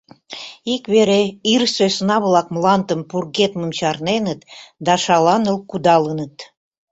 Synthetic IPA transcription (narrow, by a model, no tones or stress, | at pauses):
ikβeɾeirsøsnɑβlɑk̚mlɑnt̪əmpurɣet̪məmt͡ɕɑrnenət̪d̪ɑʃɑlɑnəlˠkud̪ɑlənət̪